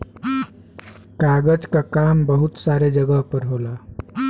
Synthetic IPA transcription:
kaɡəd͡ʒkakambəɦut̪saɾed͡ʒəɡəɦpəɾɦola

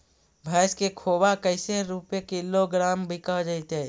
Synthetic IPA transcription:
bʱaːskekʰoːbakəɪseɾupjekiloɡɾaːmbʱɪkad͡ʒaɪt̪eː

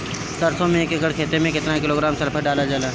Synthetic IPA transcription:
sɐɾsõmẽːkeɡəɽkʰeːt̪emẽkɪt̪nakɪloːɡɾaːmsɐɾpʰəɾɖaːlad͡ʒaːlaː

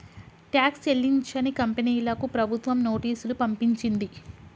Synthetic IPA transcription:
ʈjaːkselːiɲt͡ʃɐnikɐmpeniːlɐkupɾɐbʱut̪ʋɐmno̞ːʈiːsulupɐmpiɲt͡ʃind̪i

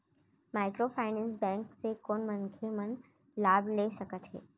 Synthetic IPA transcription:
maːɪkɾoːfʰaːɪnɛ̃ːnsbɛ̃ːŋksekoːnmənkʰemən | laːblesɐkət̪ɦɛ̰ː

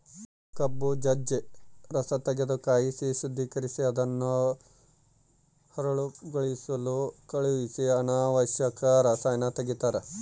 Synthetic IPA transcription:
kɐbːud͡ʒɐd͡ʒeɾɐsɐt̪ɐɡed̪ukaːjisiʃud̪ʱːikɐɾisiɐd̪ɐnːu | hɐɾɐɭuɡoɭisɐlukɐɭuʋisiɐnaːʋɐʃjɐkɐɾɐsɐjnɐt̪ɐɡit̪aːɾe

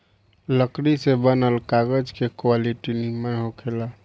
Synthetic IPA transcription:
ləkɽisebənəlkaɡəd͡ʒkekwaliʈinimeɦokʰela

